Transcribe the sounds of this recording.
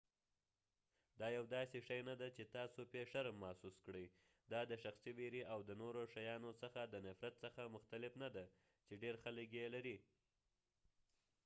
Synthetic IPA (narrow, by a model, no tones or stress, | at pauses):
d̪ɑjawd̪ɑseʃajnad̪at͡ʃet̪ɑsopeʂaɾamːɑsuskɽəj | d̪ɑd̪əʃaxsiweɾiʔawd̪ənoɾoʃajɑnosəxad̪ənafɾat̪səxamʊxt̪alɪfnad̪a | t͡ʃeɖeɾxaləkjelaɾi